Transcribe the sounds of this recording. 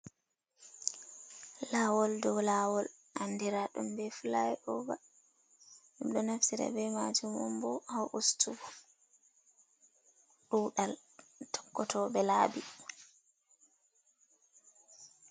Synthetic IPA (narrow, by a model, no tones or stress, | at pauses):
lawɔldɔwlawɔl | ʔandiɾaɗumbɛfulajɛʔɔɡa | ɗɛmɗɔnaftiɾa̰bɛmad͡ʒumɔmbɔhawʔustuɡɔ | ɗuːɗaltʰɔ̥kːɔtʰɔbɛlaːbi